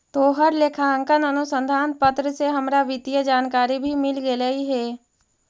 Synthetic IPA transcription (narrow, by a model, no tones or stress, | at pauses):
t̪oːɦəɾlekʰaə̃ŋkənənʊsə̃nd̪ʱaːnpət̪ɾəseɦɐmɾaʋɪt̪ijəd͡ʒaːnkaːɾibʱimɪlɡeləiɦɛː